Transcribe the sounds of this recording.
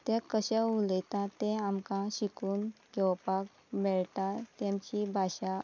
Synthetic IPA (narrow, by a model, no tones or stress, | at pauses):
t̪ekəɕaulet̪ãt̪ẽamkãɕikuːnkewpak | mɛɭʈat̪jamt͡ɕibʱaɕa